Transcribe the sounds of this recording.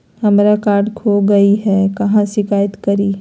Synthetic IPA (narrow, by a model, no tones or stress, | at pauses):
hɐmɾakaːɾɖkʰoɡɐiɦɛkɐɦãʃɪkaːjət̪kɐɾiː